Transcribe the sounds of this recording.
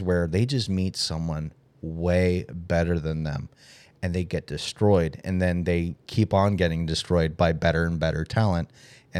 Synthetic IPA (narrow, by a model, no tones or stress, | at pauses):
wə˞ðeɪd͡ʒʌstmitsʌ̃mwʌ̃n | weɪbɛɾə˞ðɨ̃nðɨ̰̃m | ɨ̃nðeɪɡɛt̚d̥ɨstɹ̥ɔɪɾɨ̰̃nðɨ̃nðeɪkʰipn̩ɡɛɾɪ̃ŋdɨstɹ̥ɔɪd̚baɪbɛɾə˞ɨ̃nbɛɾə˞tʰælˠə̃nt̚ | ɨ̃